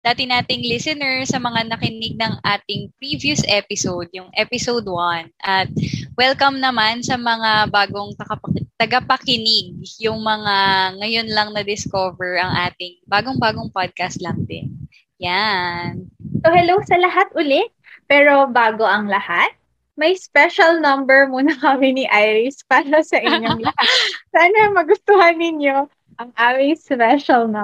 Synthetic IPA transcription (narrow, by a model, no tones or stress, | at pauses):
d̪̥aːt̪ɪnaːt̪ɪŋlɪsɪnɛɹsɐmɐŋanɐkɪnɪɡ̚nɐŋʔaːt̪ɪŋpɹiːvjusʔɛpɪsowd̪̚jʊŋʔɛpɪsowd̪wanʔɐt̪̚wɛlkɐmnɐmansɐmɐŋabaːɡoŋt̪ɐkɐpɐt̪ɐɡɐpɐkɪnɪɡ̚jʊŋmɐŋaŋɐjo̞nlɐŋnɐd̪ɪskovɛɹʔɐŋʔaːt̪ɪŋbaːɡo̞ŋbaːɡoŋpad̪̚kɐst̪lɐŋd̪ɪ̰n | jansohɛlowsɐlɐɦat̪̚ʔʊlɛʔ | pɛːɾo̞baːɡo̞ʔɐŋlɐhat̪̚ | mɐjspɛʃɐlnɐmbɛɹmuːnɐkɐmɪnɪʔajɾɪspaːɾɐsɐʔɪɲːoŋlɐhasaːnɐmɐɡʊst̪ʊhɐnːɪɲo̞ | ʔɐŋʔaːmɪŋspɛʃɐlnɐ